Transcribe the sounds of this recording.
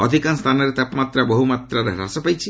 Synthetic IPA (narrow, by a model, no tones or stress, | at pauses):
ɔd̪ʱikanst̪ʰanɔɾet̪apmat̪ɾaboɦumat̪ɾaɾeɦɾa̰sɔpajt͡ʃʰi